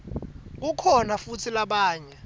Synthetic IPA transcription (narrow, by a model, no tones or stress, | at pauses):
k̬ukʰɔnafutʰilaɓaːɲɛ